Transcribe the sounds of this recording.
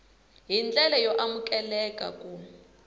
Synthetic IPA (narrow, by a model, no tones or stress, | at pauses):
jind͡ɮʼɛlajɔʔamukʼɛlɛkʼa̰kʼu